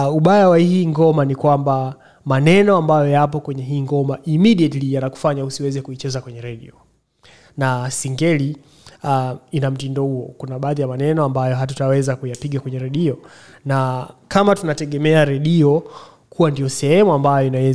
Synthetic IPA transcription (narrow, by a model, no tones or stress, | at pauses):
uɓajawahiːŋɡɔmanikwamba | manɛnɔambajɔjapɔkwɛɲɛɦiːŋɡɔmaʔimiɗiatlijanaku̥faɲausiwɛzɛkuit͡ʃɛzakwɛɲɛɾɛɗḭɔ | nasiŋɡɛli | inam̩tindɔhuɔkunaɓaːðijamanɛnɔambajɔɦatutawɛzakujapiɠakwɛɲɛɾɛɗiɔ | nakamatunatɛɠɛmɛaɾɛɗiɔ | kʰuwandijɔsɛhɛmuambajɔɔinawɛ